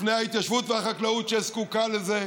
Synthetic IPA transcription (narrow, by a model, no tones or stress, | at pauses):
fnejhait̪jaʃvut̪vehaχaklaut̪ʃeeskukaleze